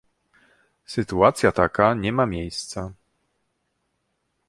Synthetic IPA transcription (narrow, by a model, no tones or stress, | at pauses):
sɘt̪uat̪sʲjat̪akaɲɛmamʲjejst̪sa